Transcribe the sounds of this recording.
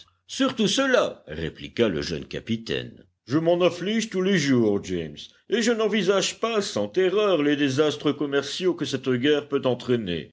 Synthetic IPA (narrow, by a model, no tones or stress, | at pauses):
syʁt̪usəlaʁḛplikalə̰ʒœ̰nka̰pit̪ɛ̰n | ʒəmɑ̃nafliʒt̪uleʒuːʁd͡ʒɛms | eʒənɑ̃vizaʒpasɑ̃t̪eʁœʁled̪ezast̪χəkɔmɛʁsjokəsɛt̪ɡʲɛʁpøt̪ɑ̃t̪χɛnḛ